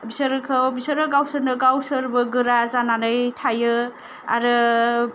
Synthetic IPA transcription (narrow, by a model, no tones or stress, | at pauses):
bisɯɾɯkʰɯbisəɾɯɡawsɯɾnɯɡawsɯɾbɯɡɯɾazananɯjtʰajɯ | a̰ɾɯ